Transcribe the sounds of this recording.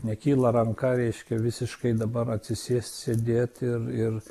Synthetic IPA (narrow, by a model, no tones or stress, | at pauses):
nʲɛkʲiːlˠɐɾɐŋkɑɾʲɛɪʃʲkʲɛʋʲɪsʲɪʃkɐɪd̪ɐbɐɾɐt̪ʲsʲɪsʲiːsʲt̪ʲsʲeːd̪ʲeːt̪ɪrɪr